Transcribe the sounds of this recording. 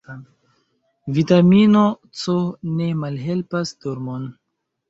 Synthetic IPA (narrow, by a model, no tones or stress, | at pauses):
vitamino | t͡sone̞malɦe̞lpasdoɾmon